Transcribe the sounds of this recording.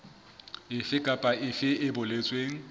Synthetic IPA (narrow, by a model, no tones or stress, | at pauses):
ɪfɪkʼapʼaɪfɪɪbʊlet͡sʼweːŋ̩